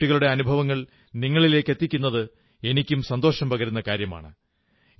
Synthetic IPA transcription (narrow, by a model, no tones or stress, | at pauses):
iɣɐɭuɽe̞ɐnubʱɐʋɐŋːɐɭ | niŋːɐɭile̞ːkːe̞t̪ːikʲːunːɐðɨ | e̞nikʲːumsɐnd̪o̞ːʂɐmpɐɣɐɾunːɐkaːɾjɐma̰ːɳɨ